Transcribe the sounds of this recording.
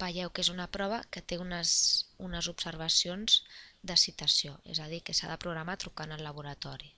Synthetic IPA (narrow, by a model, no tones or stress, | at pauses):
bəjɛwkezunəpɾɔβ̞əkət̪eunəsunəzubsəɾβ̞əsionz̥d̪əsit̪əsioḛzəð̞ikəsa̰ðəpɾuɣɾəmat̪ɾukanəlːəβ̞uɾət̪ɔɾi